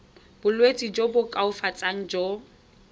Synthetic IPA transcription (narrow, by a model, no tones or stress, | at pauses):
b̥ʊlwet͡sʼid͡ʒobʊkʼaʊfat͡sʼaŋ̩d͡ʒo